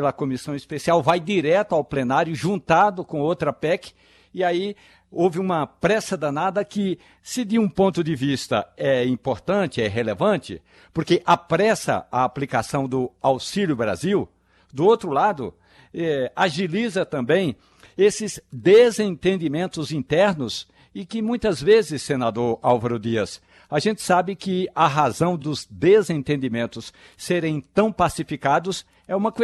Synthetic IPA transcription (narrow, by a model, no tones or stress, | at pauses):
lɐkõmisɐ̃w̃ispesiawvajd̪iɾɛt̪ʊawplenaɾjʊʒũnt̪ad̪ʊkõowt̪ɾɐpɛkɪ̥ | ɪai | owvɪũmɐpɾɛsɐd̪ɐnad̪ɐkɪ | sɪd̪ɪũpõnt̪ʊd̪ɪvist̪ɐ̰ɛĩpoɾt̪ɐ̃nt͡ʃ̪ɪɛɦelevɐ̃nt͡ʃ̪ɪ̰ | poɾkeʔapɾɛsɐ̰aːplikasɐ̃w̃d̪ʊawsilʲjʊbɾa̰ziw | d̪ʊowt̪ɾʊlad̪ʊ̰ | ɛaʒilizɐt̪ɐ̃mbẽj̃ | esɪzd̪ezẽt̪ẽnd̪imẽnt̪ʊzĩt̪ɛɾnʊs | ɪkɪmũj̃t̪ɐzvezɪsːenad̪oɾawvaɾʊd̪iɐs | aʒẽnt͡ʃ̪ɪ̥sabɪkɪɐɦazɐ̃w̃d̪ʊzd̪ezẽt̪ẽnd̪imẽnt̪ʊsː | eɾẽj̃t̪ɐ̃w̃pasifikad̪ʊs | ɛũmɐk